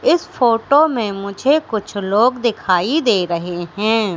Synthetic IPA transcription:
ɪsfoːʈomẽmʊd͡ʒʱekʊt͡ʃʰloːɡd̪ɪkʰaːid̪eːɾɐɦeɦɛ̃ː

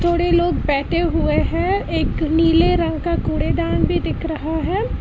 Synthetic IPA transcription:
t̪ʰoːɽeloːɡbɛːʈʰeɦʊeɦɛ̃ːeːkniːleɾɐ̃ŋɡkakoːɽed̪aːnbʱid̪ɪkʰɾɐɦaɦɛː

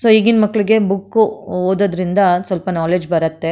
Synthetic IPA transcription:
soːiːɡinmɐkːɐɭiɡe̞bukːuoːd̪oːd̪ɾind̪ɐsʋɐlpɐnaːle̞ːd͡ʒbɐɾɐt̪ːe̞

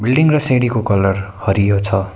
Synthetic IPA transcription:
bilɖiŋrʌseɽikokʌlʌrhʌɾijot͡sʰʌ

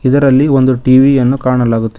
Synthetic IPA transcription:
id̪ɐɾɐlːio̞nd̪uʈiːʋijɐnːukaːɳɐlaːɡut̪ːi

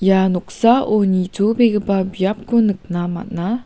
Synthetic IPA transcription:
januk̚saʔonitubeɡəbabiap̚kunɨk̚nama̰t̚na

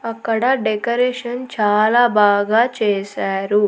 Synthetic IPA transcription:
ɐkːɐɽɐɖekɐɾeːʂɐnt͡ʃaːlaːbaːɡaːt͡ʃeːsaːɾu

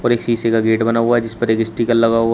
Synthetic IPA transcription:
ɔːɾeːksiːsekaɡeːʈbɐnaɦuaɦɛd͡ʒɪspɐɾeːkɪsʈiːkəlːɐɡau

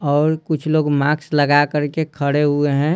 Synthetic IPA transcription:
ɔːɾkʊt͡ʃʰloːɡmaːksləɡakəɾkekʰəɽeɦueɦɛ̃

